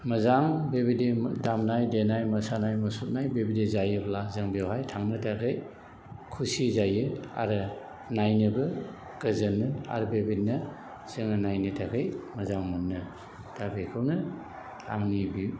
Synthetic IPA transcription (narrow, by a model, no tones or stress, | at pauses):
mɐzaŋbebidedamnajdenajmɐsanajmɐsut̚najbebidezajɯblazɯŋbijawɦhajtʰaŋnɯtʰaɡʰɯj | kʰusizajɯa̰ɾɯ | najnɯbɯ | ɡ̥ɯzɯnɯa̰ɾɯbebitnɐ | z̥ɯŋanajnɯtʰaɡʰɯjmɐzaŋmɐnːɯ | d̥abekʰɯwnɯ | a̰ŋnibi